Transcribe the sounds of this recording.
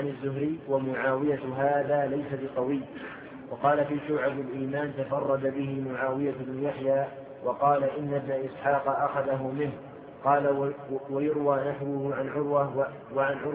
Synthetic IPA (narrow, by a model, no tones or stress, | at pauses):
ʕanɪzːʊɦɾɪːwamʊʕaːwɪjaɦaːðaːlajsabɪq̪ˤɑwɪjː | wɑqɑːlafiːʃʊːʕabalʔiːmaːnt̪afɑrˤːɑd̪abɪɦɪmʊʕaːwɪjabnʊjaħjaː | wɑqɑːlaʔɪnːabnaʔɪsħɑːqɑʔaxaðaɦʊmɪnh | qɑːlwajʊɾwaːnaħwʊhʊʕanʕʊɾwa | waʕanʕʊɾ